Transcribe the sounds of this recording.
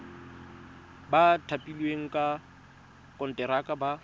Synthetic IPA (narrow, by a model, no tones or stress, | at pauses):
batʰapʼilweŋ̩kʼa | kʼɔn̩tʼɛɾakʼaba